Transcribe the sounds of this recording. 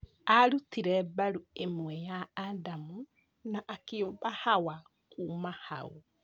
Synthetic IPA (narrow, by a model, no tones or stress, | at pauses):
aɾutiɾɛbaɾuemwɛjaːdamu | naʔːkeobahawa | kuːmahao̰